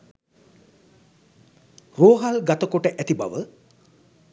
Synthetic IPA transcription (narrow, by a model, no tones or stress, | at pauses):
roːɦalɡat̪əokoʈəʔɛt̪iba̰ʋə